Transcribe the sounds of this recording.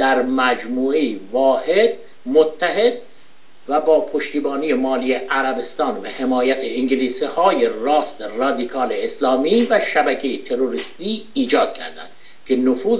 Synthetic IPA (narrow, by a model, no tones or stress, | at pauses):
d̪̥æɾmæd͡ʒmuːejivɒːhe̞d̪̚ | mot̪ʰːæɦe̞d̪̚ | væbɒːpʰoʃt̪iːbɒːnije̞mɒːlijeʔæɾæbe̞st̪ɒːnbehemɒːjæt̪ʰeiŋɟeliːsihɒːjerɒːst̪erɒːd̪ikʰɒːleːslɒːmiːvæʃæbækʰejet̪ʰe̞ɾoɾist̪iːiːd͡ʒɒːd̪̥̚cʰæ̰ɾd̪æ̰nd̪̥ | kʲʰe̞nofuːz